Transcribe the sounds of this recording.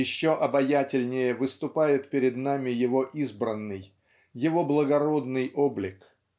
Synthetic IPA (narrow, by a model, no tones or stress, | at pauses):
ɪɕːoʔɐbɐjatʲɪlʲnʲɪjəvɨst̪ʊpajɪt̪̚pʲɪɾʲɪd̪namʲɪjɪvo̞ʔizbɾənːɨj | jɪvo̞blˠəɡɐɾo̞d̪nɨjʔo̞blʲɪk